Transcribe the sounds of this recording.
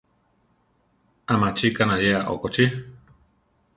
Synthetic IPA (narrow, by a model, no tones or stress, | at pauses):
amãt͡ʃikanãjeaʔo̰kot͡ʃi